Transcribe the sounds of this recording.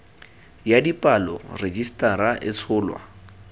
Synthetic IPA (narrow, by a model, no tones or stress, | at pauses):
jadipʼalɔ̰red͡ʒistʼaɾaʔɪt͡sʰʊːlwa̰